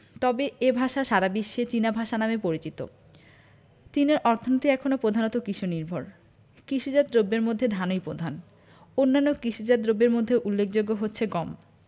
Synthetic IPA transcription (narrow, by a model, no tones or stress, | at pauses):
t̪ɔbeebʱaʃaʃaɾabiʃːet͡ɕinabʱaʃanamepoɾit͡ɕit̪o̰ | t͡ɕ̪ineɾʔɔɾt̪ʰonit̪iɛkʰonopɾod̪ʱanot̪okɾiʃʰuniɾbʱoɾ | kɾiʃid͡ʑad̪ɾobːeɾmod̪ʱːed̪ʱanojpɾod̪ʱan | onːanːokɾiʃid͡ʑad̪ɾobːeɾmod̪ʱːeʔulːekʰd͡ʑoɡːoɦotːɕʰeɡɔm